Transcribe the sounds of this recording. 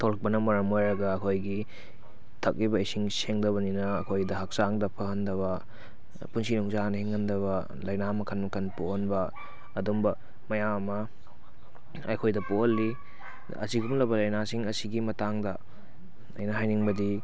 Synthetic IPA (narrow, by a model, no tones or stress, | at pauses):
tʰolɐk̚pɐnɐmɐɾɐmojɾɐɡɐːkʰojɡi | tʰɐk̚libɐisiŋseŋdɐβɐninɐːkʰojdɐɦɐk̚saŋdɐpʰɐhɐndɐβɐ | punsinuŋzanɐhiŋhɐndɐβɐ | lɐjnamɐkʰɐnmɐkʰɐnpohonbɐː | dumbɐ | mɐjaŋɐmɐ | ɐ̰kʰojdɐpoɐlːi | ɐ̰siɡumlɐbɐlɐjnasiŋɐsiɡimɐtaŋdɐ | ɐ̰jnɐɦajniŋbɐdi